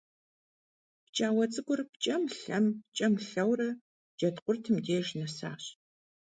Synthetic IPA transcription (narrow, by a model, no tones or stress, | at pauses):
pt͡ʃʼaːwɐt͡sʼɨɡʷʊrp̚ʰt͡ʃʼɐmɬɐmt͡ʃʼɐmɬɐwrɐ | d͡ʒɐtqʷʊrtʰɨmdeːʒnɐsa̰ːɕ